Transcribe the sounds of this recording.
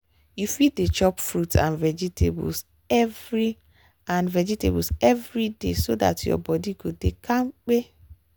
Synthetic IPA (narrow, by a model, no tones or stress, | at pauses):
jufidet͡ʃɔpfɾutã̰nvɛd͡ʒitʰḛbṵs | ɛvɹi | ãnvɛd͡ʒitḛbsɛvɾidesoda̰tjɔ̰bɔdiɡodekʰãŋ͡m̩k͡pe